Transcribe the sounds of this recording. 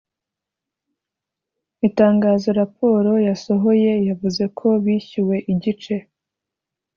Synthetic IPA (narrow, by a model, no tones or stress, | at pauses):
itaːŋɡaːzo̞ɾapo̞ːɾo̞jaso̞ɦo̞je̞javuze̞kʰo̞βiːçiwe̞ʔiɟit͡ʃe̞